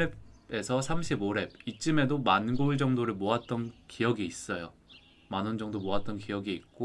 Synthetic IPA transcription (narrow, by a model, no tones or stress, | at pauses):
ee̞sʰʌsʰamɕʰiboɾe̞b̚it͡ɕ͈ime̞domanɡoɭd͡ʑʌŋdoɾɯɭmoat̚t͈ʌnkijʌɡiːs͈ʌjo | manɯnd͡ʑʌŋdomoat̚t͈ʌnkijʌɡiit̚k͈o